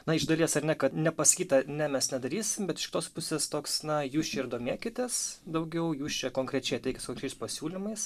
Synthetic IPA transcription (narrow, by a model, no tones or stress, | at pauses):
nɐɪʒd̪ɐlʲiɛsɐɾnʲɛkɐt̪nʲɛpɐsɐ̥kʲiːt̪ɐnʲɛmʲɛsnʲɛd̪ɐɾʲiːsʲɪmbʲɛt̪ɪʃkʲɪ̥t̪oːspʊsʲeːst̪oːksnɐjuːst͡ʃʲɛɪɾd̪oːmʲiɛkʲɪt̪ʲeːsd̪ɐʊɡʲɛʊjuːst͡ʃʲɛkoːŋkɾʲɛt͡ʃʲɛɪɐt̪ʲɛɪkɪtskokɾʲɛɪspɐsʲuːlʲɪmɐɪs